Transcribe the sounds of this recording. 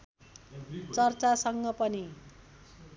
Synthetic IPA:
t͡sʌrt͡sasʌŋɡʌpʌni

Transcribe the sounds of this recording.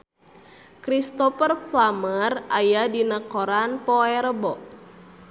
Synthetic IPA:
kɾist̪ɔfərplamərajadinakɔɾanpɔɛɾəbɔʔ

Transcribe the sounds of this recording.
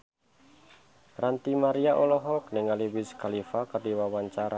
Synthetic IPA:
rant̪imaɾiaʔolɔɦɔk̚nɪŋaliwɪskalifakərdiwawaɲt͡ʃaɾa

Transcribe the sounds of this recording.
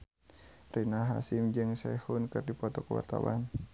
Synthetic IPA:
rinaɦa̰simd͡ʒɨŋsɛhunkɨrdipɔt̪ɔkəwa̰rt̪a̰wan

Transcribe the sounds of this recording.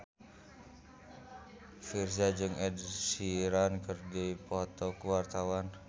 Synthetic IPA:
firsad͡ʒɨŋɛdsiɾankərɡipɔt̪ɔkəwart̪awan

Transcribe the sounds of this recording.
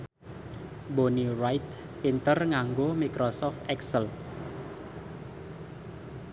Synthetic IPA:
bonirajt̪ | pint̪ərŋaŋɡomikɾosɔft̪ɛksəl

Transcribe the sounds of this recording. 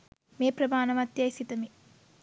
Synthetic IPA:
meːpɾɐmaːnɐmɐt̪jɐːsit̪ɐmi

